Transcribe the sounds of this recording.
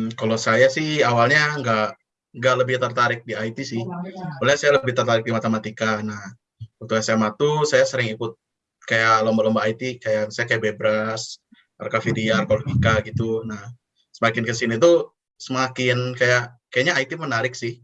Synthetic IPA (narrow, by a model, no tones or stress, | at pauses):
kalosajasɪhawalɲaŋɡaʔ | ŋɡaʔləbɪht̪ərt̪aɾɪk̚diait̪isɪhawalɲasajaləbɪht̪ərt̪aɾɪk̚dimat̪emat̪ikanah | unt̪uhɲasajamat̪usajasəɾɪŋikʊt̪̚ | kajalombalɔmbaːit̪ikajasajakajaʔbebɾas | a̰rkafidiarkoldikaɡit̪unah | səmakɪnkəsinit̪̬u | səmakɪnkajaʔkajaʔɲaːit̪imənaɾɪk̚sɪh